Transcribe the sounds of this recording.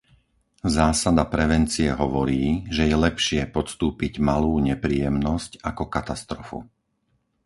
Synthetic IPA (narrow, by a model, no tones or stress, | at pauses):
zaːsad̪apɾɛʋɛnt͡siɛɦɔʋɔɾiːʒɛjɛlɛpʃɪɛpɔt̪st̪uːpiɟmaluːɲɛpɾiːjɛmnɔscakɔkat̪ast̪ɾɔfṵ